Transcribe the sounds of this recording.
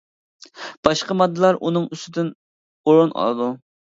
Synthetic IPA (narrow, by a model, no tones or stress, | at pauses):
b̥ɑʃqɑmɑd̪ːɨlˠɑɾʔunɨŋyst̪ɪd̪ɪn | oɾunʔɑ̰lˠɨd̪u